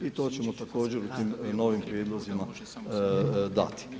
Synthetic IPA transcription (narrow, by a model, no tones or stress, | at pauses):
it̪o̞ːt͡ɕe̞mo̞t̪ako̞ːd͡ʑe̞ɾut̪iːmno̞ːʋimpɾjed̪lˠozima | d̪a̰t̪i̥